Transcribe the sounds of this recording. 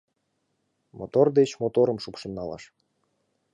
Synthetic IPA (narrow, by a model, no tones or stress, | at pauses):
mʔot̪ord̪et͡ɕmot̪oɾəmʃupʃə̆nːɑlɑ̰ʃ